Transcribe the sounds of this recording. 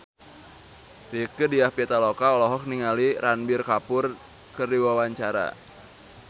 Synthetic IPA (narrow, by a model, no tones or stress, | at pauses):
rikədiahpiat̪alɔkaɔlɔɦɔk̚niŋaliɾanbirkapʊr | kərdiwawaɲt͡ʃaɾa̰